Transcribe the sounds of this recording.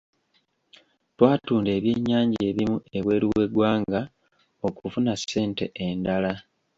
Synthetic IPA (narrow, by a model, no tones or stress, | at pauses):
twaːtuːnde̞ːβje̞ːɲːaːɲɟe̞ːβimue̞βwe̞ːɾiwe̞ɡwaːŋɡa | o̞kuvunasːe̞ːnte̞ʔendala